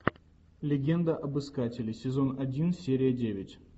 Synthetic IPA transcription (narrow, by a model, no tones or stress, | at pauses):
lʲɪɡʲe̞nd̪əʔɐbɨskatʲɪlʲɪsʲɪzo̞nɐdʲinsʲeɾʲɪjədʲevʲɪtʲ